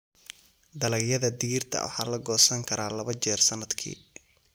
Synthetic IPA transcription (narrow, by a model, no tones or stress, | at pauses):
d̪ɐlɐɡjɐðɐd̪ɪɣirt̪ʰɐ̰wɑ̰ħɑ̰ːlɐɡɔːsɐŋkʰɐɾʔaːlɐβɐt͡ʃɛːrsɐnːɐd̪kʰḭː